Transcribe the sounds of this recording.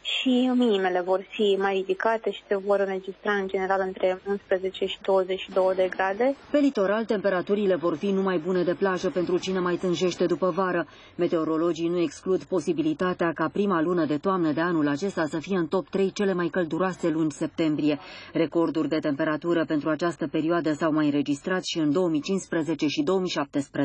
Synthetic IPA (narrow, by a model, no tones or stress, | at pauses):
ʃiminime̞le̞vo̞rfimajɾid̪ikat̪e̞ʃi̥se̞vo̞ɾɨnɾe̞d͡ʒist̪ɾaɨnd͡ʒe̞ne̞ɾalɨnt̪ɾe̞unspɾəze̞t͡ʃe̞ʃi̥d̪o̞wəzet͡ʃʃid̪o̞wəd̪e̞ɡɾad̪e̞pe̞lit̪o̞ɾalt̪e̞mpe̞ɾat̪uɾile̞vo̞rfinumajbune̞d̪e̞plaʒəpent̪ɾut͡ʃine̞majt̪ɨnʒe̞ʃt̪e̞d̪upəvaɾə | met̪e̞o̞ɾo̞lo̞d͡ʒinue̞ksklud̪po̞sibilit̪at̪eakapɾimalunəd̪e̞t̪oamnəd̪e̞anulat͡ʃe̞st̪asəfije̞ɨnt̪o̞p̚t̪ɾe̞jt͡ʃe̞le̞majkəld̪uɾoase̞lunʲse̞p̚t̪e̞mbɾije̞ɾe̞ko̞rd̪urʲd̪e̞t̪e̞mpe̞ɾat̪uɾəpent̪ɾuat͡ʃast̪əpe̞ɾioad̪əsawmajɨnɾe̞d͡ʒist̪ɾat̪sʃiɨnd̪o̞wəmit͡ʃinspɾəze̞t͡ʃe̞ʃid̪o̞omiʃap̚t̪espɾ